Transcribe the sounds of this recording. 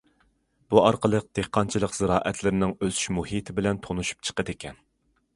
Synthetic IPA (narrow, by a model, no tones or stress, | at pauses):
b̥uɑɾqəlˠəq̚d̪̥ehqʰːɑnt͡ʃʰilˠəqz̥ɨɾɑːʔɛt̪ʰlɪɾɪnɪŋøzy̥ʃmuhit̪ʰɪbɪlɛnt̪ʰonuʃu̥p̚t͡ʃʰə̥qəd̪ekʲʰɛn